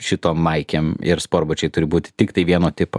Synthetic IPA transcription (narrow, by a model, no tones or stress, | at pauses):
ʃʲɪt̪oːmːɐɪkʲeːmɪ̰ɾspoːrbʊt͡ʃʲɛɪt̪ʊɾʲɪbuːt̪ʲɪ̥t̪ʲɪkt̪ɐɪʋʲiɛnoːt̪ʲɪpo̰